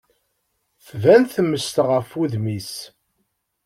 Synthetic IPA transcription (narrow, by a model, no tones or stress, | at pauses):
θvænθəmːəst̪ʁəfuðmis